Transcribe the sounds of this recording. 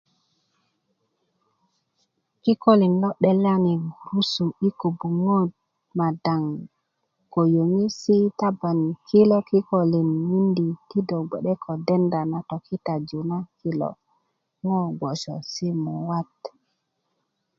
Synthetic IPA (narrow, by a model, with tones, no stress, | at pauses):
ki˦ko˦li˨nlɔ˦ɗɛ˨la˦ni˨ɡu˨ɾu˦su˨i˦ko˨bu˨ŋo˦d | ma˨da˨ŋ | ko˨jo˨ŋi˦si˦ta˦ba˨n˨kʰi˦lo˦ki˦ko˨li˨nmi˦ndi˨ti˦do˨ɡ͡be˨ɗɛ˦kʰo˨dɛ˦nda˨na˨to˨ki˦ta˨d͡ʒu˨na˦ki˨lo̰˨ | ŋɔ˦ɡ͡bo˨sɔ̰˨si˦mɔ˨wa˦t